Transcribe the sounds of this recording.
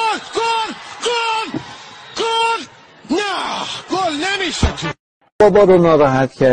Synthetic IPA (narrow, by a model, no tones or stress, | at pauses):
ɡolɡolɡ̥ol | næɡ̥olnemiːʃet̪ʰo | bɒːbɒːbenɒːɾæɦæt̪cʰæ